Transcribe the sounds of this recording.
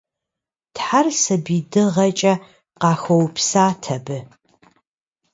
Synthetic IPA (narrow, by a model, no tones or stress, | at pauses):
tħarsɐbiːdɨʁɐt͡ʃʼɐ | qɑːxɐwpsaːtʰɐbɨ